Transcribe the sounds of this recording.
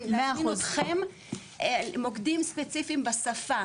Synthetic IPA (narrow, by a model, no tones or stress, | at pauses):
meauzχem | mokd̪imspet͡sifimbasafa